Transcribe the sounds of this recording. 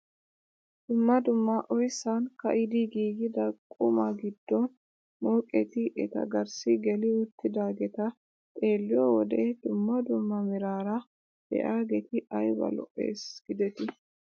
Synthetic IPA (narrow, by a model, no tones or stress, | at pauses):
d̪̥ʊmːɐd̪ʊmːɐʔɔjsankɐ̰ʔɪd̪iɡiːɡɪd̪ɐkʼʊmɐɡɪd̪ːɔn | moːkʼɛt̪ɪʔɛ̰t̪ɐ̰ɡɐɾsɪɡɛlɪʊt̪ːɪd̪aːɡɛt̪ɐ | t̪ʼe̞ːlːɪjɔwɔd̪eːd̪ʊmːɐd̪ʊmːɐmɪɾaːɾɐ | d̪̥ɛ̰ʔaːɡɛt̪ɪɐjbɐ̰lɔ̰ʔe̞̰ːsɡ̥ɪd̪ɛt̪ɪ